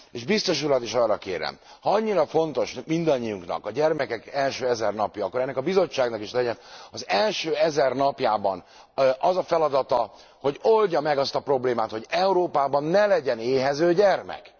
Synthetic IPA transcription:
eːʒbist̪o̞ʃulɒt̪iʃɒrːɒkḛːɾɛ̰m | hɒɒɲːiɾɒfo̞nt̪o̞ʃmind̪ɒɲːijuŋknɒ̰kɒɟɛrmɛkɛkɛlʃøːɛzɛrnɒpjɒːkːoɾɛnːɛkɒbizo̞t͡ʃːaːɡnɒkiʃlɛɟɛnɒzɛlʃøːɛzɛrnɒpjaːbɒn | ʔɒzɒfɛlɒd̪ɒt̪ɒ | ho̞ɟo̞lɟɒmɛɡɒst̪ɒpro̞bleːmaːt̪ho̞ɟɛuɾoːpaːbɒnːɛlɛɟɛneːɦɛzøːɟɛrmɛ̰k

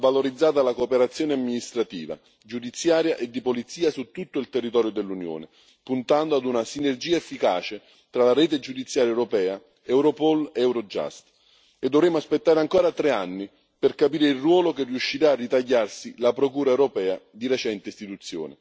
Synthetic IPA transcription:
valoɾid̪zːaːt̪̬alakoːpeɾat̪sːjoːneamːinist̪ɾat̪iːva̰ | d͡ʒud̪it̪sːjaːɾjaʔed̪ːipolit̪siːasut̪ːut̪ːoilt̪erːit̪ɔːɾjod̪elːunjo̰ːne | punt̪and̪oad̪unasinerd͡ʒiːaefːikaːt͡ʃe | t̪ɾalaɾɛːt̪ed͡ʒud̪it̪sːjaːɾjaɛwɾopɛːa | ɛwɾopɔleɛwɾod͡ʒa̰st̪ | ed̪ːovɾɛːmoaspet̪ːaːɾeaŋkɔːɾat̪ɾeanːi | perkapiːɾeilrwɔːlokerːiuʃːiɾaːrːit̪aʎːarsilapɾokuːɾaɛwɾopɛːad̪iɾet͡ʃɛnt̪eist̪it̪ut̪sːjo̰ːnḛ

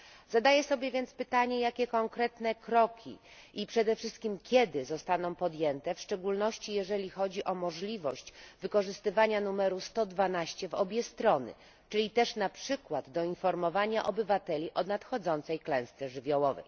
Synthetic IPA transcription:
zad̪ajɛsɔbʲjɛvʲjɛntspɘt̪aɲɛjakʲɛkɔŋkɾɛt̪nɛkɾɔkʲʰḭʔipʂɛd̪ɛfʂɘst̪̚kʲimkʲjɛd̪ɘzɔst̪anɔ̃w̃pɔd̪jɛnt̪ɛfʂt͡ʂɛɡulnɔɕt͡ɕijɛʐɛlʲixɔd͡ʑiʔɔmɔʐlʲivɔɕt͡ɕvɘkɔʐɘst̪ɘvaɲanumɛɾust̪ɔd̪vanaɕt͡ɕɛvɔbʲjɛst̪ɾɔnɘ̰ | t͡ʂɘlʲit̪ɛʂnapʂɘkwad̪ːɔinfɔɾmɔvaɲaʔɔbɘvat̪ɛlʲiʔɔnat̪xɔd̪zɔnt̪sɛjklɛ̃w̃st̪sɛʐɘvʲjɔwɔvɛ̰j

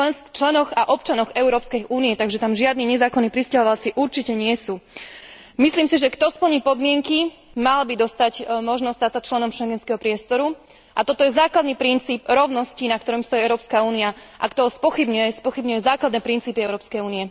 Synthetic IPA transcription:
ɛst͡ʃlɛnɔɣaʔɔp̚t͡ʃanɔɣɛʊɾɔːpskɛjʔuːniɛt̪aɡʒɛt̪amʒɪad̪niːɲɛzaːkɔnːiːpɾiscaɦɔʋalt͡siʔuɾt͡ʃicɛɲɪɛsuː | misliːmsiʒɛkt̪ɔspl̩ɲiːpɔd̪mɪɛŋkimalbid̪ɔst̪acmɔʒnɔst̪at̪sat͡ʃlɛnɔmʃɛŋɡɛnskɛɦɔpɾɪɛst̪ɔɾu | ʔat̪ɔt̪ɔjɛzaːklad̪niːpɾint͡siːbɾɔʊnɔscinak̚t̪ɔɾɔmst̪ɔjiɛʊɾɔːpskauːniaʔa̰kt̪ɔɦɔspɔxibɲujɛspɔxibɲujɛzaːklad̪nɛːpɾint͡siːpiɛʊɾɔːpskɛjuːniɛ

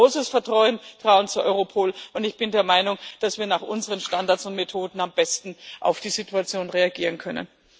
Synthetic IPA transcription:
oːsəsfɛɐtʁ̥ɔʏəntʁ̥aʊənt͡suɐʔɔʏʁopʰoːlʔʊntɪçb̥ɪndeːɐmaɪnʊŋd̥asv̥iːɐnaːχʔʊ̰nzəʁənʃtandaɐtt͡sʊntmetʰoːdn̩ambɛstn̩ʔa̰ʊfd̥iːzituat͡sjoːnʁeaɡiːʁ̞ənkʰœnə̰n

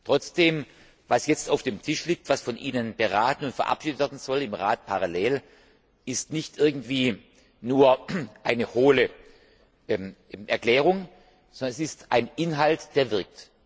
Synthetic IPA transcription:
tʁ̥ɔt͡sd̥eːm | vasjɛt͡staʊfd̥eːmtʰɪʃliːk̚tv̥asfɔnʔiːnənb̥əʁaːtn̩ʊntfɛɐʔa̰pʃiːdətv̥ɛɐdn̩zɔlɪmʁaːt̚pʰaʁaleːl | ɪstnɪçtʔɪɐɡŋ̩tv̥iː | nuːɐʔaɪnəhoːlə | m | ʔɛ̰ɐkl̥ɛːʁ̞ʊŋ | zɔndɐnɛsɪstʔaɪnʔɪnɦaltd̥eːɐvɪɐk̚t

